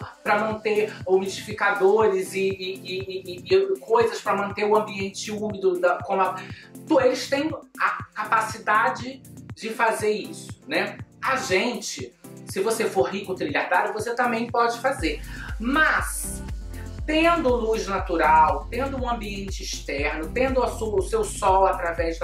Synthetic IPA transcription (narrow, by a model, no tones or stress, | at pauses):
pɾɐmɐ̃nt̪eumid͡ʒifikad̪oɾɪzɪɪː | kʰojzɐspɾɐmɐ̃nt̪eɾʊɐ̃mbiẽnt͡ʃɪumid̪ʊd̪ɐkõmɐ | t̪uelɪst̪ẽj̃ɐkapasid̪ad͡ʒɪd͡ʒɪfazeɾisʊ̥nɛɐʒẽnt͡ʃɪsɪvosefoɾɦikʊt̪ɾiʎaɾd̪aɾjʊvoset̪ɐ̃mbẽj̃pɔd͡ʒɪfazeɾmɐs | t̪ẽnd̪ʊlujznat̪uɾawt̪ẽnd̪ʊũɐ̃mbiẽnt͡ʃɪiʃt̪ɛɾnʊt̪ẽnd̪ʊɐsuɐʊsewsɔwat̪ɾavɛzd̪